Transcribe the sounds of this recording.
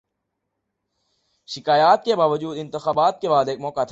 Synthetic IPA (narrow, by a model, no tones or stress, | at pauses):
ʃɪkaːjaːt̪̚kebaːʋəd͡ʒuːd̪ɪ̃nt̪ɪxaːbaːt̪̚kebaːd̪eːkmɔːkat̪ʰ